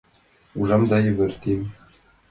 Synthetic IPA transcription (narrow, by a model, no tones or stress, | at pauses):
uʐɑmd̪ɑjɘ̆βɘ̆rt̪imʲ